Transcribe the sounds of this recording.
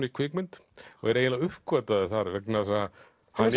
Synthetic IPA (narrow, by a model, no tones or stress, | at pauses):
nikʰvɪkmɪnt̪ɔɣɛɾejnlaɣʏhkvœt̪aðɪθaɾvɛknasaa | han